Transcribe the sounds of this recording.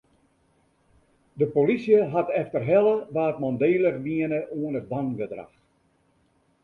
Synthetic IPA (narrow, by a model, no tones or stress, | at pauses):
dəpolisjəɦatɛftərɦɛləʋaːtmɔndeːlərʋiənəʔuənət̚daŋbədra̰x